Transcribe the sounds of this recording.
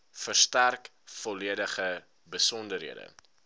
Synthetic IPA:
fərstærk | fɔliədəχə | bəsɔndərɦiədə̰

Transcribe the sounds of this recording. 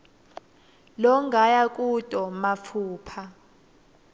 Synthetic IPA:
lɔŋɡajak̬ʼutʼɔmap̪fʰuːpʰa

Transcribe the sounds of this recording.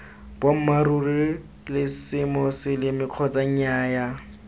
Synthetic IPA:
b̥wam̩maruri | lɪsɪmɔsɪlɪmɪkʰɔt͡sʼaɲ̩aːja

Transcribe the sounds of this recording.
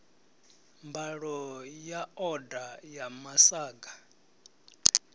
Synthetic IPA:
mbaɺɔjaɔdajamasaːɡa

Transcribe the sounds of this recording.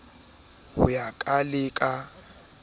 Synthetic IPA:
hʊ̰jakʼalɪkʼa

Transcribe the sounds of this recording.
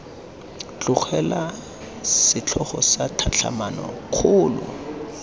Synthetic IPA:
t͡ɬʼʊk͡xʰɛla | ssɪt͡ɬʰɔχɔsatʰat͡ɬʰa̰manɔkʰʊːlʊ̰

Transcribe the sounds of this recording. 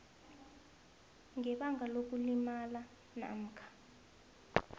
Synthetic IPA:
ŋɛɓaŋʱalok̬ʼulimala | na̰m̩kʰḁ

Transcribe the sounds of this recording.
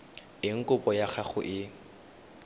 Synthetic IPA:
ɪŋ̩kʼʊpɔjaχʰaχʊʔɪ

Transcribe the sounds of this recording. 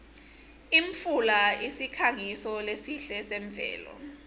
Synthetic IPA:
iɱfulaisikʰaŋisɔlesiɬɛsɛɱvʱɛ̰ːlɔ̰

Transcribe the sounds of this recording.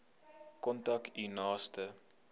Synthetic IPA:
kɔntɐkinɑːstə

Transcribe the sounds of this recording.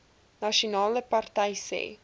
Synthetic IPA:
nɐʃunɑːləpɐrtɐjsḛː

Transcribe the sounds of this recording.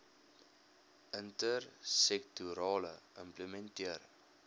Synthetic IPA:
ʔəntərsɛk̚tuɾɑːlə̰əmpləmɛntiər

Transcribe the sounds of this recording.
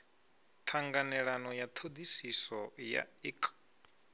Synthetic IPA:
t̪ʰaŋɡanɛɺanɔjat̪ʰod̪isisɔja̰ikʼ

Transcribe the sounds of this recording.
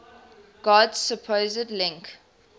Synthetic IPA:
ɡ̥ɔdz̥səpʰoːzədlɪ̃ŋk

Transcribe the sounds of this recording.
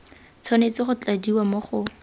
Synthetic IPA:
t͡sʰɔnet͡sɪχʊt͡ɬadiwamoχʊ

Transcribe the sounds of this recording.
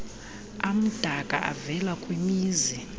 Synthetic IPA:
am̩d̥ʱakʼa̰ʔa̰vɛlakʼwimiːzi

